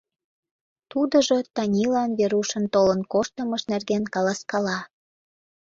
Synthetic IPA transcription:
t̪ud̪əʒot̪ɑnʲilɑnβeɾuʃənt̪olənkoʃt̪əməʃnerɣenkɑlɑskɑlɑ

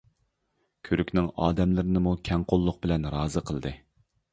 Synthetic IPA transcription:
kʲʰøɾykʲnɪŋɑ̰ːd̪ɛmlɪɾɪnɪmukʲʰɛŋqʰolˠːʊq̚bɪlɛnɾɑːzɨqʰəlˠd̪ɨ

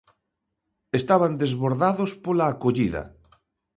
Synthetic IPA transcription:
est̪aβand̪ezβoɾðaðospolaːkoʎiðɐ̰

